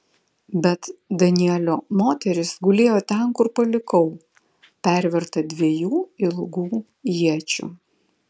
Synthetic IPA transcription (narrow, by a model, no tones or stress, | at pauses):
bʲɛt̪d̪ɐnʲɪɛlʲoːmoːt̪ʲɛɾʲɪsɡʊlʲeːjoːt̪ʲɛnkʊɾpɐlʲɪkɔʊ | pʲæˑɾʲʋʲɛɾt̪ɐd̪ʲʋʲiɛjuːɪlˠɡuː | jiɛt͡ʃʲṵː